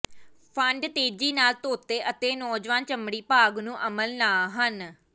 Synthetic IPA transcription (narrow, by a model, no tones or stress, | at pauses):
pʰəɳɖʈ̪eːd͡ʒiːnaːlt̪oːt̪eːʔət̪eːnɔːd͡ʒʋaːnt͡ʃəmɽiːpaːɡnũːʔəməlnaːɦən